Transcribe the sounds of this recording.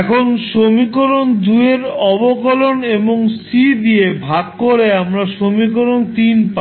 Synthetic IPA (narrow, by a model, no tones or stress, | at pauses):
kʰonʃomikoɾond̪ueɾɔbokoloneboŋsid̪iebʱaɡkoɾeamɾaʃomikoɾont̪inpa